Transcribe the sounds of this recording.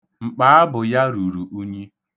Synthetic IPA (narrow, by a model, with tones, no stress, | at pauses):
ŋ͡m̩˨k͡paː˦a˦bʊ˨ja˦ɾu˨ɾu˨ʔu˦ɲi˦